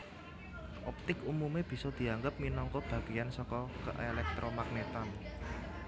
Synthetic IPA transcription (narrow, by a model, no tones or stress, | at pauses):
ʔɔp̚t̪ɪkumumeb̥i̤sɔd̪̥i̤aŋɡəp̚minɔŋkɔb̥ä̤ɡ̥ijansɔkɔkə̰ʔelɛk̚t̪ɾʔɔmak̚net̪an